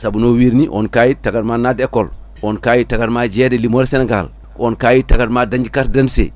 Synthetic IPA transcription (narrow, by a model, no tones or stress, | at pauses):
sabunowiɾniʔɔ̰nkajitaɡadmanadekːɔl | onkajitaɡaɾmad͡ʒedelimoɾsenɛɡa̰l | onkajitaɡadmadaɲd͡ʒikat̚dansḛ